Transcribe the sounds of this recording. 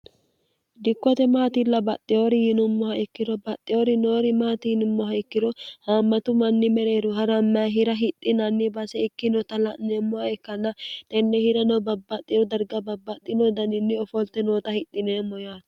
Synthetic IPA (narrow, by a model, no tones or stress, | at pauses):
d̪ɪkːɔt̪ɛmaːt̪ɪlːɐbɐt̪ʼːɪjoɾɪjɪnʊmːɔhɐɪkːɪdɔbɐt̪ʼːɪoɾɪnoːɾɪmaːt̪ɪnʊmːɔhɐɪkːɪdɔhaːmːɐt̪ʊmɐnːɪmɛɾeːɾʊɦɐɾɐmːɐɦɪɾɐɦɪt̪ʼːɪnɐnːɪbɐsɛɪkːɪnɔt̪ɐlɐʔnɛmːɔhɐɪkːɐnːɐt̪ʼɛnːɛhɪɾɐnɔbɐbːɐt̪ʼːɪjɔd̪ɐɾɡɐbɐbːɐt̪ʼːɪnɔd̪ɐnɪnːɪɔfɔlt̪ːɛnoːt̪ɐhɪt̪ʼːɪneːmɔjaːt̪